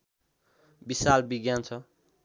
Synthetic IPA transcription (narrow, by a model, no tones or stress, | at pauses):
bisalbiɡjant͡sʰʌ